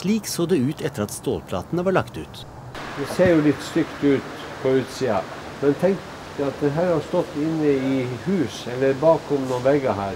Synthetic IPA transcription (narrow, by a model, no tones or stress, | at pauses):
liːksoːd̪ɛʉːt̪ʰɛt̪ːəɾɑt̪st̪o̰ːlpʰlɑ̰ːt̪nəʋɑːɭɑkt̪ʉ̰ːt̪ | d̪ɛseːɾjʊlɪt̪ːst̪ʏkt̪ʉːt̪ | fɔʉːt̪siːɑ | mɛnt̪ʰɛŋt | əɑt̪̚d̪ɛnɦæːɾhɑst̪ɔt̪ːɪnːəɪhʉːsɛlːəɾbɑːkɔmnɔːnʋɛɡɑɦæːɾ